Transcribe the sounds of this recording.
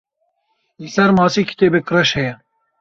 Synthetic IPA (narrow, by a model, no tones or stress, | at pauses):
lisɛɾmɑːsiːkʰi̥t̪eːbɨkɾɛʃhɛjɛ